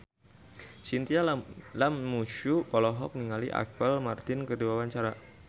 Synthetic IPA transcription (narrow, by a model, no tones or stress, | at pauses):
sint̪ialamːuʃupɔlɔɦɔk̚niŋaliʔa̰kəlmart̪ɪnkəduwawaɲt͡ʃaɾa